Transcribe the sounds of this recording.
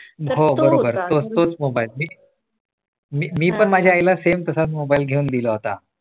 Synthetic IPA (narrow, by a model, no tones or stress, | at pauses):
ɦobəɾobəɾt̪ot͡st̪ot͡smobailmiː | mimiːpəɳmad͡ʑʱjaːjlasemt̪əsat̪mobailɡʱeuːnd̪iləɦot̪a̰